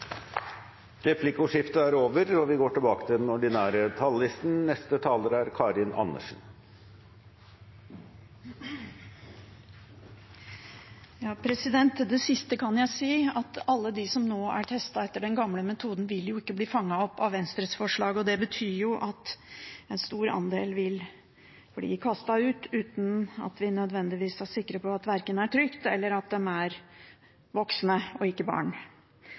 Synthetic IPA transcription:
ɾɛpʰlɪkʊʂɪft̪əæɾoːʋəɾɔʋɪɡoːʈɪlbɑːkə̥t̪ʰɪld̪ɛnɔɖɪnæːɾət̪ʰɑlːɪst̪n̩nɛst̪ət̪ʰɑːləɾæɾkʰɑɾɪnʔɑ̰nːə̰ʂn̩ | jɑːpʰɾɛsɪd̪ɛnt̪d̪ɛsɪst̪əkʰɑnjæɪsiːɑt̪ɑlːəd̪ɪsɔmnoːæ̰ʈʰɛst̪ɑɛt̪ːəɖɛnɡɑmləmɛt̪ʰuːd̪nʋɪljʊɪkːəbliːfɑŋːɑɔpːɑʋʋɛnst̪ɾət̪sfɔʂɭɑːɡɔd̪ɛbət̪ʰyːjʊʔɑt̪ɛnst̪uːɾɑ̰nd̪eːlʋɪl | bɔlḭːkʰɑst̪ɑʉːt̪ʉːt̪n̩ɑ̰t̪ʋɪnœd̪ʋɛnd̪ɪʋiːsæʂɪkːɾəpʰɔɑt̪ʋæɾkənəæʈʰɾʏkt̪ɛlːəɾɑt̪̚d̪ɛmæɾ | ʋɔksnəɔɪkːəbɑ̰ːɳ

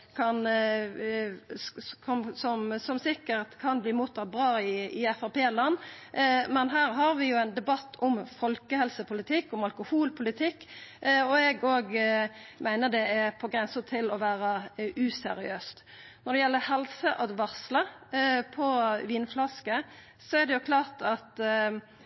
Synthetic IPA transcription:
kʰɑn | ɔmsɔmsɔmsɪkːəɾt̪kʰɑnbliːmuːt̪ʰːɑt̪̚bʁɑːɪɪɛfɑpeːlɑnː | mɛnɦæːɾɦɑɾʋɪjʊæɪnd̪ɛbɑt̪ʰːɔmfɔlkəhɛlsəpʊlɪt̪ʰɪkːɔmɑlkʊhuːlpʰʊlɪt̪ʰɪkːɔɛɡoːɡmæɪnəd̪ɛɛpʰɔɡɾɛnsət̪ʰɪlɔʋæːɾɑʉːsɛ̰ɾɪ̰øːst̪ | nɔɾd̪ɛjɛlːəhɛlsəʔɑd̪ʋɑʁsləpʰɔʋiːnflɑskə | sɔɛɾd̪ɛjʊkʰlɑːʁt̪ɑt̪

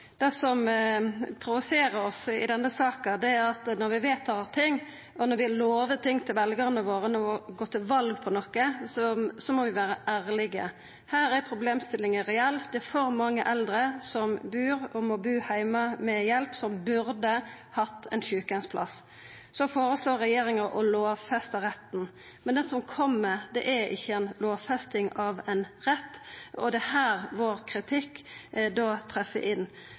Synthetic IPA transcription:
d̪̥ɛsɔm | pʰɾʊʋʊseːɾəɾɔsɪ̰d̪ɛnːəsɑːkəd̪ɛæɾɑt̪nɔɾʋɪʋeːt̪ʰːɑlt̪ʰɪŋː | ʔɔnɔʋɪloːʋət̪ʰɪŋːt̪ʰɪlʋɛlɡəɾnəʋoːɾənɔɔɡoːt̪ʰɪlʋɑlɡpʰɔnɔkːəsɔsɔmɔʋɪʋæːɾəʔæːɾlɪɡə̰ | hæːɾɛɾpʰɾʊbleːmst̪ɪlɪŋəɾɛɛlːd̪ɛæɾfɔɾmɑŋːəʔɛld̪ɾəsɔmbʉːɾɔmɔbʉːhæɪməmɛjɛlpsɔmbʉɾd̪ə | hɑt̪ːɛnçʉːkənspʰlɑs | sɔfoːɾəsloːɾːɛjeːɾɪŋəʔɔloːʋfɛst̪əɾɛt̪ːn̩ | mɛnd̪ɛnsɔmkʰɔmːəd̪ɛʔæɪ̰çːəɛnloːʋfɛst̪ɪŋɑʋɛnʁɛt̪ːɔd̪ɛhæːɾʋoːɾkʰɾɪt̪ʰɪkːd̪oːt̪ʰɾɛfːə̰ʔɪnː

